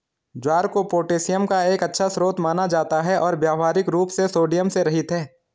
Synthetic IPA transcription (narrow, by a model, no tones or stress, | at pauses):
d͡ʒwaːɾkopoːʈeːsɪjəmkaeːkɐtːʃʰasɾoːt̪maːnad͡ʒaːt̪aɦɛʔɔːɾbjaːʋɦaːɾɪkɾuːpsesoːɖijəmseɾɐɦɪt̪ɦɛː